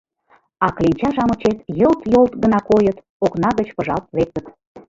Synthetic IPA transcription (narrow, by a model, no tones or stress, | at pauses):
ɑklenʲt͡ɕɑʒɑmət͡ɕet̪jɤlt̪jolt̪ɣənɑkojət̪ | oknɑɣət͡ɕpəʒɑ̰lt̪̚βek̚d̪ə̆t̪